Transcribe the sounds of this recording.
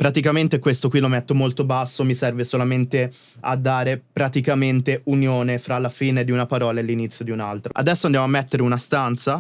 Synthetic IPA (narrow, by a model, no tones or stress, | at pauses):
pɾat̪ikament̪ekwest̪okwilomet̪ːomolt̪obasːomisɛrvesolament̪e | a̰d̪ːaːɾepɾat̪ikament̪eunjoːnefɾalːafiːned̪iunapaɾɔːlaelːinit̪sːjod̪iunalt̪ɾaa̰d̪ɛsːoand̪jamoamːet̪ːeɾeunast̪ant̪sa